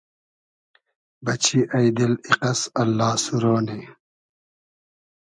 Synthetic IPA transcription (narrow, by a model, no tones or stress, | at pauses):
bɐt͡ɕʰiʔɐjd̪iliqɐsɐlːaːsuɾoːni